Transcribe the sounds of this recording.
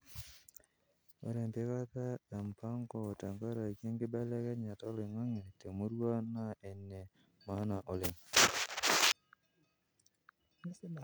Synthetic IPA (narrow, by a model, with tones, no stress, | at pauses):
wɔ̰˦ɾɛ˨nte˦ka˦ta˦da˨mpa˦ŋkɔ˦˨ta˨ŋka˦ɾa˨kje˦ŋɡɪ˦bɛ˦lɛ˦kɛ˦ɲa˨tɔ˦lɪ˨ŋa˦ŋe˨te˨mu˦ɾwa˦na˦ɛ˨nːe˨ | ma˨˦na˨ʔo˨lɪ˨ŋ